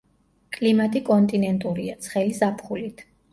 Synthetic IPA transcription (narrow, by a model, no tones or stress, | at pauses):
kʼlimat̪ʼikʼɔnt̪ʼinɛnt̪ʼuɾiat̪sʰχɛlizapʰχulit̪ʰ